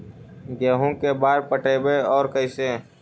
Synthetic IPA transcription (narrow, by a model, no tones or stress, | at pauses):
ɡeːɦũkebaːɾpəʈeːbeɔːɾkəɪseː